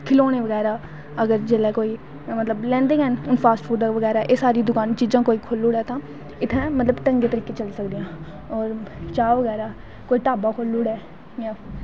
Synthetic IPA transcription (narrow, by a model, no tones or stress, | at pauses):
kʰɪloːnẽːʋəɡɛːɾaː | əɡəɾd͡ʒeːlɛːkoːiː | mət̪ləblɛ̃ːnd̪ɪŋɦənʊnpʰaːsʈfʰuːɖaʋəɡɛːɾaːʔeːsaːɾiːd̪ʊkaːnt͡ʃiːzãːkoːiːkʰoluːɽɛːt̪ãː | ɪt̪ʰːɛ̃ːmət̪ləbʈəŋɡeːt̪əɾiːkeːt͡ʃəlsəkd̪ɪjãː | ɔːɾt͡ʃaːoʋəɡɛːɾaː | koːiːʈaːbaːkʰolːʊːɽɛː | jãː